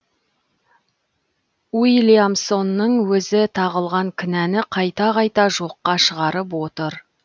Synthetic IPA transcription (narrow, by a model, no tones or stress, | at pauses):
wijlʲijamso̞nːəɴwɵzɪt̪ʰɑʁəlˠʁɑŋkʲʰʏnænɪqʰɑjt̪ɑqʰɑjt̪ɑʒoqːɑʃəʁɑɾəp̬wo̞t̪əɾ